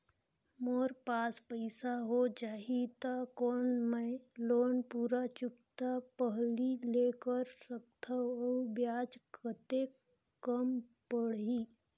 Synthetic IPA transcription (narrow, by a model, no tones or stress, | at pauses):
moːɾpaːspəɪsaɦod͡ʒaːɦit̪akoːnmə̃loːnpuːɾat͡ʃʊkt̪apəɦlileːkəɾsəkt̪ʰaəbjaːd͡ʒkʰət̪e | kəmpəɽiː